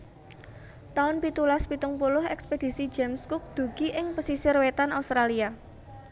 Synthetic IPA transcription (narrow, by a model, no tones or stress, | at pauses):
t̪aʊnpit̪ulaspit̪ʊŋpulʊɦɛ̰ksped̥i̤si̥d͡ʒemskʊk̚d̪̥ṳɡ̥i̤ʔɪŋpəsisɪrwet̪anaust̪ɾalia